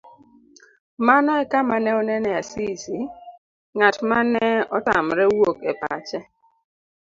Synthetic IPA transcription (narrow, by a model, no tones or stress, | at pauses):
manɔɛkamanɛɔnɛnɛasisi | ŋatmanɛɔtam̩ɾewokepa̰t͡ʃɛ